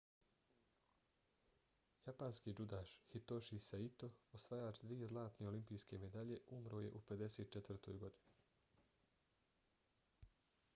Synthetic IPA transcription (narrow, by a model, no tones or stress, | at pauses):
japaːnskid͡ʒud̪aːʃhit̪oʃisait̪o̞osʋajaːt͡ʃd̪ʋije̞zlˠaːt̪neolimpiːjske̞me̞d̪aʎe̞umɾo̞ːje̞̰ʔupe̞d̪e̞seːt̪̚t͡ʃet̪vr̩t̪o̰ːjɡo̞d̪inu